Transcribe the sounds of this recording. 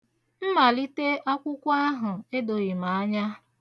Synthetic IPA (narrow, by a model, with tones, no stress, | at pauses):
m̩˦ma˨li˦te˦ʔa˦kʷʊ˦kʷa˦ɦʊ˨e˦do˨ɣi˨ma˨a˦ɲa˦